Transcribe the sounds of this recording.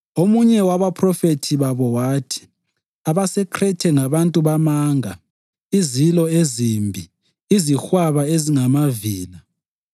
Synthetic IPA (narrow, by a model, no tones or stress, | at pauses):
omuɲɛwaβapʰrɔfetʰiβaβɔwaːtʰi̥ | aβasɛkʰrɛtʰɛŋaβantʼuβamaːŋa | izilɔezimbʱi | izixwaβaeziŋamaviːla